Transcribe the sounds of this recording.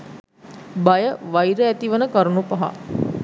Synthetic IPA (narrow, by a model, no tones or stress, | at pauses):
bajəʋajɾəæt̪iʋənəkɐɾunupɐɦa̰